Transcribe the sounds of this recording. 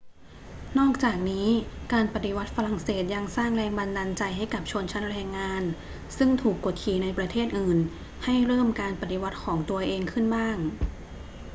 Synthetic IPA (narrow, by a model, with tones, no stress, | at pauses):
nɔː˥˩k̚t͡ɕaː˨˩k̚niː˦˥kaː˧npa˨˧t̪i˧wa˦˥t̪̚fa˧la˨˩ŋseː˨˩t̪̚ja˧ŋsaː˥˩ŋɾɛː˧ŋba˧ndaː˧nt͡ɕa˧jɦa˥˩jka˨˩p̚t͡ɕʰo˧nt͡ɕʰa˦˥nɾɛː˧ŋːaː˧n | sɯ˥˩ŋt̪ʰuː˨˩kːo˨˩t̪̚kʰiː˨˩na˧jpɾa˧t̪ʰeː˥˩t̪̚ʔɯː˨˩n | ha˥˩jɾɤː˥˩mkaː˧npa˨˧t̪i˧wa˦˥t̪̚kʰɔː˩˦ŋt̪u˧ɐʔeː˧ŋkʰɯ˥˩nbaː˥˩ŋ